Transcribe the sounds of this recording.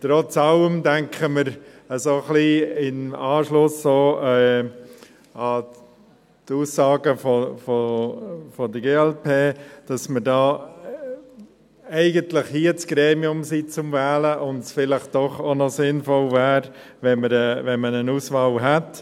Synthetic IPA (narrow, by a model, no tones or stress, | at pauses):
t̪ɾɔt͡sɑləmdæŋkʰəməɾ | əsoχliɪmɑːʃlʊsːoːɛ | ɑ | tuːsːɑːɡəfofo | fɔdəɡeːɛlpʰeːd̥ɑsməɾdɑː | ɛɪɡəntləχhiət͡sɡ̥ɾeːmiʊmsit͡sʊmvæːləʔʊntsfɪlɪχtd̥ɔχonɔsɪnfɔlvæːɾ | vɛməɾɛvɛnmənənuːsfɑlɦɛt